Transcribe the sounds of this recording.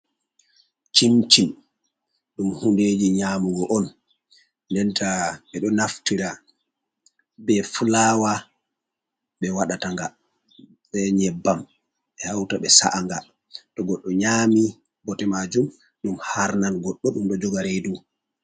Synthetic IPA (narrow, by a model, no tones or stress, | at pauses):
t͡ʃimt͡ʃim | ɗumhunded͡ʒiɲaːmuɡɔʔɔnː | dɛntaɓɛɗɔnaftiɾa | bɛfulaːwa | ɓɛwaɗataŋɡa | ɓɛɲɛbːam | ɓɛhawtaɓɛsa̰ʔaŋɡa | tɔɡɔɗːɔɲaːmi | bɔtɛmad͡ʒum | ɗumhaɾnalɡɔɗːɔɗumɗɔd͡ʒɔɡaɾedu